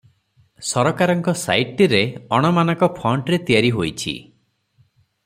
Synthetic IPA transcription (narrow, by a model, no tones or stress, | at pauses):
sɔɾɔkaɾɔŋkɔsa̰jʈiɾeɔɽ̃ɔmanɔ̃ŋkɔpʰɔɳʈɾet̪ijaɾiɦojt͡ʃʰḭ